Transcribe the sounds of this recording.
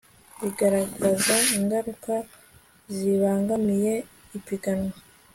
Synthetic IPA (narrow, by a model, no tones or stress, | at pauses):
βiɡaɾaɡazaiŋɡaɾuka | ziβaːŋɡamije̞ | ipiɡanwa